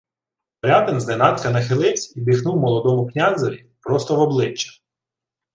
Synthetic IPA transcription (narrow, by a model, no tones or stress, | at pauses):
ɔɾʲɑd̪ɪnznɛnɑt̪kɐnɐxɪlˠɪwsʲibʲixnuwmɔlˠɔd̪ɔmʊknʲazɔʋʲi | pɾɔst̪ɔʋɔblˠɪt͡ʃːɐ̥